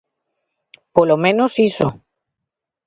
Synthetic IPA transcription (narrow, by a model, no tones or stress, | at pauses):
polomẽnosiso